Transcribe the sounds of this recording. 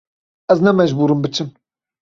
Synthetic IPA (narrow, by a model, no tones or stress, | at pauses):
ɛznɛmɛʒbuːɾɨmbɨt͡ʃʰɨm